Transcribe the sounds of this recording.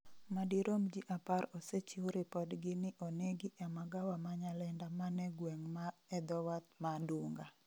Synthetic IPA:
madiɾomd͡ʒiʔapaɾoset͡ʃiwɾɪpɔdɡɪnɪʔoneɡɪʔɛmaɡawamaɲalɛndamanɛɡwɛŋmaɛd̪ɔwat̪̚maduŋɡa̰

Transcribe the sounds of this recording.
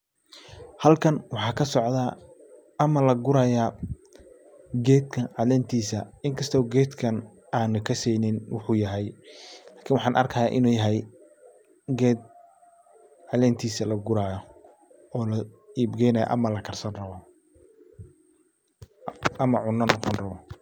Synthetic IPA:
hɐlkʰɐnwɑħɑːkʰɐsɔʕd̪aː | ɐmɐlɐɡʊɾaːjaː | ɡɛːd̪kʰɐʕɑlɛːnt̪ʰiːsɐɪŋkʰɐst̪ʰɔːɡɛːd̪kʰɐn | aːnʊkʰɐsɛjnɪnwʊħuːjɐɦɛjlaːkʰɪnwɑħɑːnʔɐ̰rkʰɐjaːʔɪnuːjɐɦɛj | ɡɛːd̪̚ | ʕɑlɛːnt̪ʰiːsɐlɐɡʊɾaːjɔ | ɔːlɐiːbɡɛjnɐjɐ̰ʔɐ̰mɐlɐkʰɐrsɐnrɐβɔ | ɐmɐʕʊnːɐnɔqɔnrɐβɔ

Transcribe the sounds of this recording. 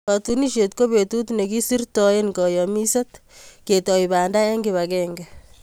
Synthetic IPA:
patuniʃet̪koβetut̪nekisirtɔenkɔjɔmisat̪ketɔibaːndaeŋɡiβakɛŋɡɛ

